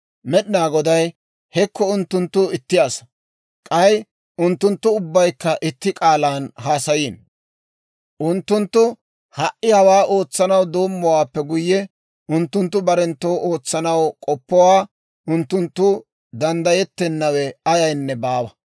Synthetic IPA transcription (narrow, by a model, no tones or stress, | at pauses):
mɛɗɪnaːɡɔd̪ɐj | hɛkːɔʊnt̪ːʊnt̪ːʊɪt̪ːɪjasɐ | kʼɐj | ʔʊnt̪ːʊnt̪ːʊʊbːɐjkːɐʔɪt̪ːɪkʼaːlaːnhaːsɐjiːn | ʔʊnt̪ːʊnt̪ːʊ | hɐʔːɪhɐwaːʔo̞ːt͡sːɐnɐwd̪o̞ːmːɔwaːpːɛɡʊjːɛ | ʔʊnt̪ːʊnt̪ːʊbɐɾɛnt̪ːo̞ːʔoːt͡sːɐnɐwkʼɔpːɔwaː | ʔʊnt̪ːʊnt̪ːʊ | d̪ɐnd̪ɐjɛt̪ːɛnːɐwɛɐjɐjnːɛbaːwɐ